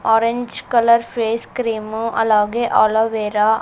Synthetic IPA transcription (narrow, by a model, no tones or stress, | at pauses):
ɔːɾeɲd͡ʒkɐlɐɾfeːskɾiːmɐ̰lːaːɡeʔaːloːʋeːɾaː